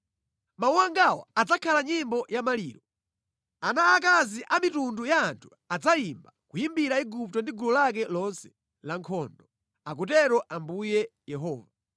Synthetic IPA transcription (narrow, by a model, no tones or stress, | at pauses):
mauwaŋɡawɔ̰ad͡zakʰalaɲimbɔjamaliːɾɔ | anaːk̬aziʔamitundujaːntʰu̥ | ad͡zaimbakujimbiɾaiɡup̚tɔndiɡulɔlak̬ɛlɔnsɛ̥ | laŋkʰɔːndɔ | akutɛɾɔʔambujɛjɛɦɔːva